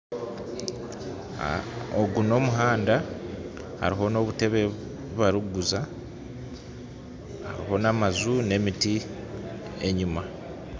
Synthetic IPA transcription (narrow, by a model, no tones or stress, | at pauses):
oɡuno̞ːmuɦaːnda | ha̰ɾiɦo̞no̞ːβute̞βe̞ | uβaɾuɡuza | ha̰ɾiho̞namazune̞miti | e̞ɲuima